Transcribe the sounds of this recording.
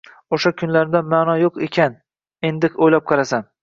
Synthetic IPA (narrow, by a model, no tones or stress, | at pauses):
oʃakʰʊnlaɾɪd̪anmaːnɒjoqekʲʰan | e̞nd̪ɪkʲojlap̚qʰɑɾasan